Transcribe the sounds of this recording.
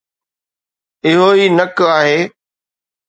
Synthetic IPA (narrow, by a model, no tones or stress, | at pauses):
ɪɦoiːnɐkaːɦeː